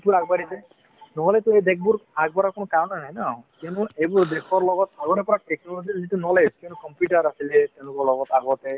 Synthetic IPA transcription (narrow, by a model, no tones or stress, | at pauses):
itbuɹaɡbaɾisɛ | nɔɦɔlɛtuejdek̚ʰbuɹaɡ̚bɔɾakunɔkawnajnajnakiɔnuejbuɹdekʰɔɹlɔɡɔt̚aɡɔɛpɔɹaʈeknɔlɔzizitunɔɦɔlekiɔ̃nukɔmpjuʈaɹasilɛt̪ɛ̃lʊkɔɹlɔɡɔtaɡɔtɛ